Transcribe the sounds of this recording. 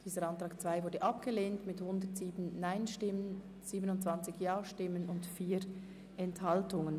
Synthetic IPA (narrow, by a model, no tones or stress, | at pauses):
d̥iːzəɾɑntʁ̥aːkt͡sv̥aɪvʊɐdəʔɑpɡ̥əleːntmɪthʊndətz̥iːbn̩naɪnʃtɪmən | z̥iːbənʊntt͡sv̥ant͡sɪçjaːʃtɪmənʊntfiːɾ | ɛnthɑltʊŋən